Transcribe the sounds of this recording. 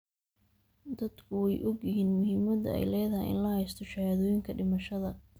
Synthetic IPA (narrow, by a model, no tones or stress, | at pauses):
d̪ɐd̪kʰʊwɛjʔɔɡjɪɦiːnmʊhɪmɐd̪ɐ̰ɛ̰jlɛːðɐhɛ̰jɪ̰nlɐhɛjst̪ʰɔʃɐhaðɔːjɪŋkʰɐɖɪmɐʃɐðɐ